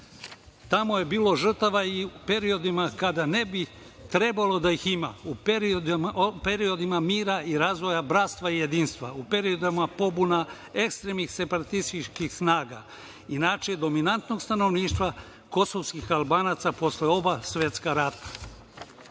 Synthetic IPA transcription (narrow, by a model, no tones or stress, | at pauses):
t̪amo̞je̞biːlˠo̞ʒr̩t̪aʋaiupe̞ɾio̞d̪imakad̪ane̞bi | t̪ɾe̞balˠo̞d̪ajixima̰uipe̞ɾio̞d̪imamiːɾaiɾazʋo̞jabɾat̪st̪ʋaije̞d̪iːnst̪ʋa̰upe̞ɾio̞d̪amapo̞buna | e̞kst̪ɾeːmnixse̞paɾat̪ist̪it͡ʃkixsnaːɡa̰ | inat͡ʃed̪o̞minant̪no̞ɡst̪ano̞ʋniːʃt̪ʋa | ko̞so̞ʋskixalˠbaːnat̪sapo̞sleo̞basʋje̞t̪skaɾat̪ḁ